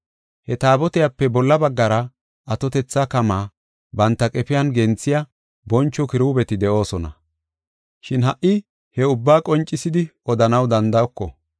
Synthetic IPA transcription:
hɛt̪aːbɔt̪ɪjɐpːɛbɔlːɐbɐɡːɐɾɐ | ɐt̪ɔt̪ɛt͡sːakɐmaː | bɐnt̪ːɐkʼɛpɪjɐnɡɛnt͡sːɪjɐ | bɔnt͡ʃːɔkɪɾuːbɛt̪ɪd̪ɛʔo̞ːsɔnɐ̰ | ʃɪnɦɐʔːɪ | hɛʊbːaːkʼɔnt͡ʃʼːɪsɪd̪ɪɔd̪ɐnɐwd̪ɐnd̪ɐɔkːɔ̰

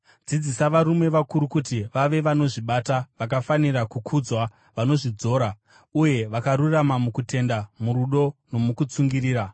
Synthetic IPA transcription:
d͡zid͡zisaʋaɾume̞ʋakuɾukutiʋaʋe̞ʋano̞ʐiɓataʋak̬afanirakukʰud͡zwa | ʋano̞ʐid͡zo̞ːɾa | uje̞ʋakaɾuramamukute̞ndamuɾuɗo̞no̞mukut͡suŋɡiriːɾa

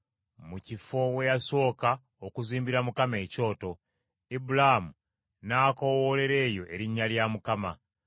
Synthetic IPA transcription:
mucifo̞we̞jaso̞ːka | okuziːmbiɾamukame̞ːco̞ːto̞ | ibulamu | naːko̞wole̞ɾe̞ːjo̞ʔe̞ɾiɲːaljamukama

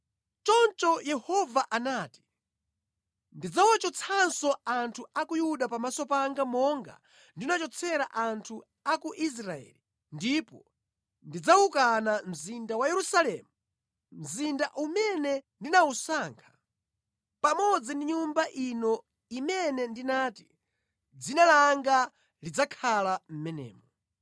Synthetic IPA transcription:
t͡ʃɔnt͡ʃɔjɛhɔvaʔanaːti̥ | ndid͡zawat͡ʃɔt͡sʰansɔantʰuakujuɗapamasɔpaŋɡamɔŋɡa̰ | ndinat͡ʃɔt͡sʰɛɾaʔantʰu | akuʔis̬ɾaɛ̰ːli | ndipɔ | ndid͡zaukanam̩zindawajɛɾusalɛːmu | m̩zindaʔumɛnɛndinausaːŋkʰḁ | pamɔd͡zindiɲumbaʔinɔ | imɛnɛndinaːti | d͡zinalaŋɡa | lid͡zakʰalam̩mɛnɛ̰ːmɔ

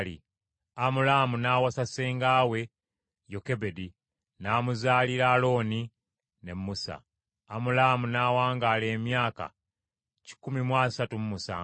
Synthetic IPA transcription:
lḭ | amulamunaːwasaseːŋɡaːwe̞ | joke̞be̞di | naːmuzaːliɾalo̞ːni | ne̞mːusa̰ː | mulamunaːwaːŋɡaːle̞ːmjaːka̰ | ci̥kumimwaːsatumumusa̰

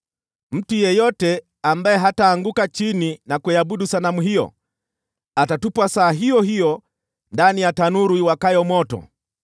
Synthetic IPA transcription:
m̩tujɛjɔtɛ | ambaɛɦataːŋɡukat͡ʃininakujabuɗusanamuɦijɔ̰ | atatupwasaːɦijɔɦijɔ | ndanijatanuɾwiwakajɔmɔtɔ̰

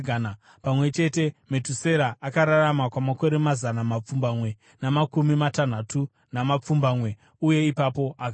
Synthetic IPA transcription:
n | pamwe̞t͡ʃe̞te̞metuse̞ɾaʔːkaɾaɾamakwamako̞ɾe̞mazanamap͡fumbamwe̞ | namakumimatan̤atu | namap͡fumbamwe̞ | uje̞ipapo̞ʔak

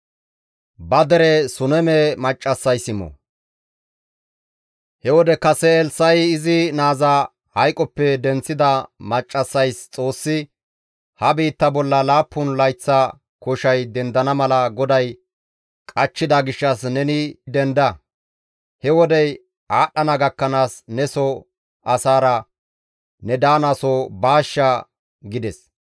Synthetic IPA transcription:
bɐd̪ɛɾɛsʊnɛmemɐt͡ʃʼːɐsːɐjsɪmɔ̰ | hɛwɔd̪ɛkɐsɛɛlsɐjɪzɪnaːzɐ | hɐjkʼɔpːɛd̪ɛnt͡sːɪd̪ɐmɐt͡ʃʼːɐsːɐjst͡sʼo̞ːsːɪ | hɐbiːt̪ːɐbɔlːɐlaːpːʊnlɐjt͡sːɐ | kɔʃɐjd̪ɛnd̪ɐnɐmɐlɐɡɔd̪ɐj | kʼɐt͡ʃːɪd̪ɐɡɪʃːɐsnɛnɪd̪ɛnd̪ɐ | hɛwɔd̪ɛj | ʔaːɗɐnɐɡɐkːɐnaːsnɛsɔ | ɐsaːɾɐ | nɛd̪aːnasɔbaːʃːɐ | ɡɪd̪ɛs

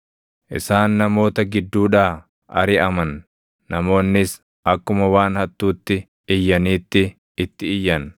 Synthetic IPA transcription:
ʔɪ̰saːnːɐmo̞ːt̪ɐɡɪd̪ːuːᶑaː | ɐ̰ɾɪʔɐmɐnː | ɐmo̞ːnːɪs | ʔɐkːʊmɐwaːnhɐt̪ːuːt̪ːɪ | ɪjːɐniːt̪ːɪ | ɪt̪ːɪɪjːɐn

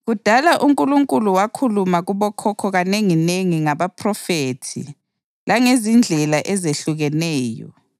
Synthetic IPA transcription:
ɣud̥ʱalaʔuŋkʼuluŋkʼuluwakʰulumaɣuβɔkʰɔkʰɔɣaneŋineŋiŋaβapʰrɔfeːtʰḭ | laŋezind͡ɮʱɛlaʔɛzeɬuɣɛnɛːjɔ̰

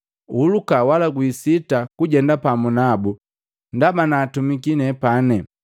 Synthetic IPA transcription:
ulukawalaɡwisitakuɟɛndapamunabu | ndamanaːtumikinɛpanɛ

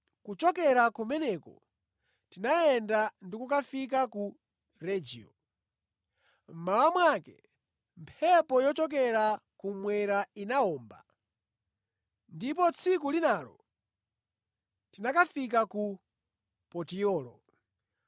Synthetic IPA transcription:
kut͡ʃɔkɛɾakumɛnɛkɔ̰ | tinajɛndandikuk̬afik̬aku | ɾɛd͡ʒḭɔ̰ | m̩mawamwakɛ | mpʰɛpɔjɔt͡ʃɔk̬ɛɾakumwɛɾainaɔːmba̰ | ndip̬ɔt͡sʰikulinaːlɔ̰ | tinakafik̬aku | pɔtiɔːlɔ̰

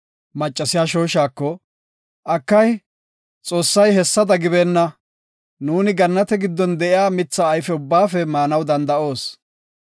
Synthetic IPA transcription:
mɐt͡ʃʼːɐsɪjaːʃo̞ːʃaːkːɔ | ʔɐkːɐj | t͡sʼo̞ːsːɐjɦɛsːɐd̪ɐɡɪbeːnːɐ | nuːnɪɡɐnːɐt̪ɛɡɪd̪ːɔnd̪ɛʔɪjaːmɪt͡sːɐːjfɛʊbːaːfɛmaːnɐwd̪ɐnd̪ɐʔo̞ːs

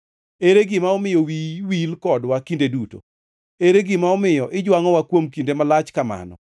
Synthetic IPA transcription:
eɾeɡɪmaɔmɪjɔwiwilkɔdwakindeduto̰ | eɾeɡɪmaɔmɪjɔʔɪd͡ʒwaŋɔwakwomkindemalat͡ʃkama̰nɔ̰

